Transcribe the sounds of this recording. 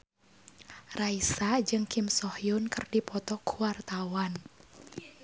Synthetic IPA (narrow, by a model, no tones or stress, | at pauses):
raisad͡ʒɨŋkimsɔhjʊnkərdipɔt̪ɔkʰuwart̪awan